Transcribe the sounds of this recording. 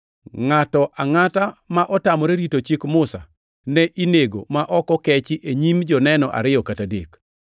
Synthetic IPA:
ŋatɔʔaŋatamaʔɔtamɔɾeɾitot͡ʃikmʊsa̰ | nɛʔineɡomaʔɔkɔkɛt͡ʃɪʔeɲimd͡ʒɔnɛnɔʔa̰ɾɪjɔkatadḛk

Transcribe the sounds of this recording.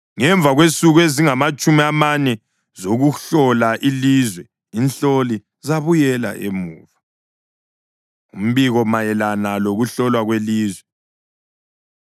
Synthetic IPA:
ŋɛɱb̪vʱaɣwesuɣweziŋamat͡ʃʼumiamanɛ | zoɣuɬɔlaʔilizwɛ | inɬoli | zaβujɛla̰ʔḛmṵːva | um̩βiɣɔmajɛlanaloɣuɬɔlwaɣweliːzwɛ

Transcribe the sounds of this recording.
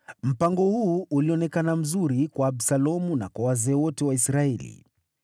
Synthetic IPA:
m̩paŋɡɔhuːʔuliɔnɛkanam̩zuɾikwaːbsalɔmuna̰kwawazɛːwɔtɛwaisɾaɛlḭ

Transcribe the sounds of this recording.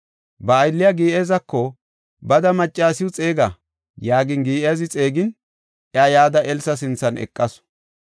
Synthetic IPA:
bɐːjlːɪjaɡiːʔezɐkːɔ | bɐd̪ɐmɐt͡ʃʼːaːsɪwʊt͡sʼe̞ːɡɐ | jaːɡɪnɡiːʔezɪt͡sʼe̞ːɡɪn | ʔɛɐjaːd̪ɐʔɛlsɐs̬ɪnt͡sːɐnɛ̰kʼːɐs

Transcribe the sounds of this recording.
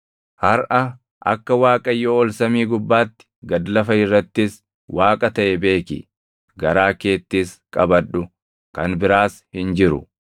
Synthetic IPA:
hɐɾʔɐ | ʔɐ̰kːɐwaːkʼɐjːoːɔlsɐmiːɡʊbːaːt̪ːɪ̥ɡɐd̪lɐfɐɪrːɐt̪ːɪs | waːkʼɐt̪ɐʔɛbe̞ːkɪ̰ | ɡɐɾaːke̞ːt̪ːɪskʼɐbɐᶑːʊ | kɐnbɪɾaːshɪnd͡ʒɪɾʊ̰

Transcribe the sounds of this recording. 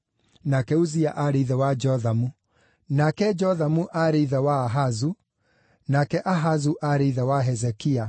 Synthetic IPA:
nakɛuziaʔaɾiðɛwad͡ʒɔðamu | nakɛd͡ʒɔðamuʔaɾiðawaːɦazu | nakɛʔaɦazuʔaɾiðawaɦɛzɛkia

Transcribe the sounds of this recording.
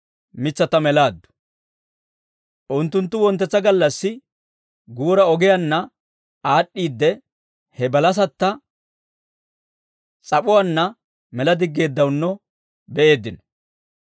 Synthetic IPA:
mɪt͡sːɐt̪ɐmɛlaːd̪ːʊ̥ | ʔʊnt̪ːʊnt̪ːʊwɔnt̪ːɛt͡sːɐɡɐlːɐsːɪ | ɡuːɾɐɔɡɛjɐnːɐ | aːɗːiːd̪ːɛ | hɛbɐlɐs̬ɐt̪ːɐ | t͡sʼɐpʼʊwɐnːɐ | mɛlɐd̪ɪɡːe̞ːd̪ːɐwnːɔ | bɛʔe̞ːd̪ːɪnɔ

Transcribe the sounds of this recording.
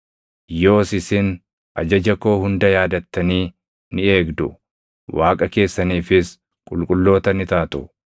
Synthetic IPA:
jo̞ːsɪsɪn | ʔɐ̰d͡ʒɐd͡ʒɐko̞ːhʊnd̪ɐjaːd̪ɐt̪ːɐniː | nɪe̞ːɡd̪ʊ | wʔaːkʼɐke̞ːsːɐniːfɪs | kʼʊlkʼʊlːo̞ːt̪ɐnɪt̪aːt̪ʼʊ

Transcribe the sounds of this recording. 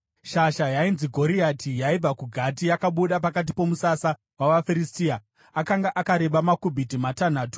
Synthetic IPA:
ʃaʃajainziɡʱo̞ɾiatijaib͡vakuɡʱat̬ijakaɓuɗap̬akat̬ipo̞musasa | waʋafiɾistia | akaŋɡaʔakaɾe̞ɓamakubʱitimatan̤aːtu̥

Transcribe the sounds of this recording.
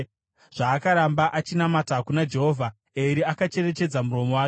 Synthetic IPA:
ʐ̥aːkaɾambaʔat͡ʃinamatakunad͡ʒe̞ɦo̞ːvʱa | eɾiakat͡ʃe̞re̞t͡ʃe̞d͡zamuro̞mo̞waːke

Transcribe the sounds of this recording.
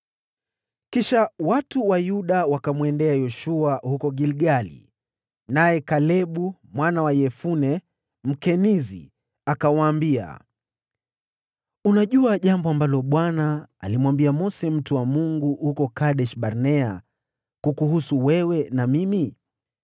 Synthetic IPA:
kiʃawatuwajuɗawakamwɛndɛajɔʃuahukɔɡilɡalḭ | najɛkalɛɓumwanawajɛfunɛ | m̩kɛnizḭ | akawaːmbia̰ | unaʄuaʄambɔambalɔɓwanaːlimwambiamɔsɛm̩tuwamuŋɡuhukɔkaɗɛʃɓaɾnɛa | kukuɦusuwɛwɛnamimi

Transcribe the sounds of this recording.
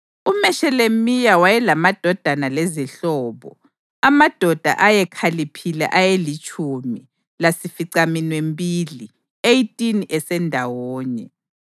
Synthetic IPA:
umɛʃɛlemijawajɛlamad̥ʱɔd̥ʱanaleziɬɔːβɔ̰ | amad̥ʱɔd̥ʱa̰ʔajɛkʰalipʰilɛ̰ʔajelit͡ʃʼumi | lasifiǀaminwembʱʼili | ejtʼinʔɛsɛndʱawɔːɲɛ

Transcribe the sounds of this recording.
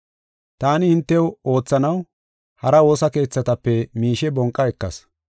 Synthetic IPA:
t̪aːnɪɪnt̪ːɛwo̞ːt͡sːɐnɐw | hɐɾɐo̞ːsɐke̞ːt͡sːɐt̪ɐpːɛmiːʃɛbɔŋkʼːɐɛkːɐ̰s

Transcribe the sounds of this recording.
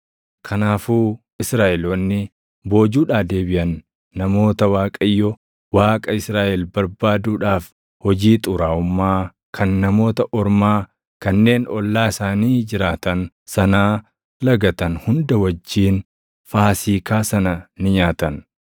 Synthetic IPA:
kʰɐnaːfuː | ɪsɾaːʔɛloːnːɪ | bo̞ːd͡ʒuːᶑaːd̪e̞ːbɪʔɐnː | ɐmo̞ːt̪ɐwaːkʼɐjːɔ | waːkʼɐɪsɾaːʔɛlbɐɾbaːd̪uːᶑaːf | hɔd͡ʒiːt̪ʼʊɾaːʊmːaː | kʰɐnːɐmo̞ːt̪ɐʔɔɾmaː | kɐnːe̞ːnɔlːaːɪsaːniːd͡ʒɪɾaːt̪ɐn | sɐnaː | lɐɡɐt̪ɐnhʊnd̪ɐwɐd͡ʒːiːn | faːsiːkaːsɐnɐnɪɲaːt̪ɐn

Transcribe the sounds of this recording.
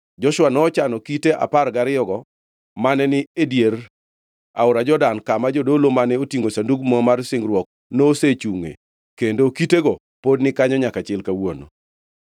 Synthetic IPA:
d͡ʒɔʃwanɔːt͡ʃanɔkiteʔa̰parɡaɾɪjɔɡɔ | manɛnɪedjer | a̰ʊɾad͡ʒɔdankamad͡ʒodolomanɛotiŋɡosanduɡmɔmarsɪŋɡɾwɔk̚ | noset͡ʃuŋḛ | kendokiteɡɔ | podnɪkaɲɔɲakat͡ʃɪlkawono̰

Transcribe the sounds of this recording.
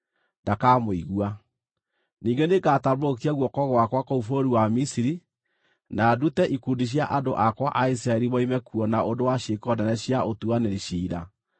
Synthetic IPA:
ndakamoiɣua | niːŋɡenekaːtaβoɾok̬iaɣwɔkɔɣwakwakoufoɾiwamisiɾi | nadutɛʔikundiɕ̬jaʔado̰ʔakwaʔais̬ɾaeɾiβɔimɛkuɔnaondowaʃekɔdɛnɛɕjaotuaneɾiʃiːɾa̰

